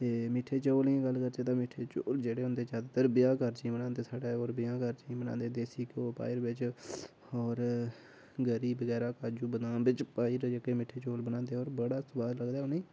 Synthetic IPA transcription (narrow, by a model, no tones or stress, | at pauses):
t̪eːmɪʈʰeːt͡ʃoːlẽːɡəlkəɾd͡ʒeːt̪̬ãːmɪʈʰeːt͡ʃoːld͡ʒeːɽeːɦʊnd̪eːt͡ʃaːd̪et̪əɾbɪjãːkəɾt͡ʃĩːmənãːnd̪eːsaːɖaːoːɾbɪjãːkəɾd͡ʒĩːbənã̰ːnd̪eːd̪eːsiːkoːpa̰ːiɾbɪt͡ʃ | ɔːɾ | ɡəɾiːbəɡɛːɾaːkaːd͡ʒuːbəd̪ãːbɪt͡ʃpaːiɾd͡ʒəkːeːmɪʈʰeːt͡ʃoːlbənãːnd̪eːɔːɾbəɽaːsʊbaːɾləɡd̪aːʊniː